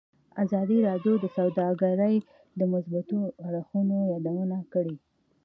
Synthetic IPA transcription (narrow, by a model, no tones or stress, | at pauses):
azɑd̪iɾɑɖjod̪əsawd̪ɑɡaɾəj | d̪əmʊsbat̪oaɽxunojad̪awunakəɽi